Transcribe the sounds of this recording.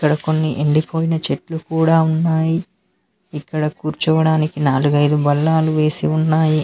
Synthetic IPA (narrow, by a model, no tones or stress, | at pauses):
kːɐɽɐko̞nːiʔeɳɖipʰo̞ːjinɐt͡ʃeʈlukuːɽaːunːaːjiː | kːɐɽɐkuːɾt͡ʃuʋɐɽaːnikinaːluɡɐjd̪ubɐlːaːluʋe̞ːsiunːaːji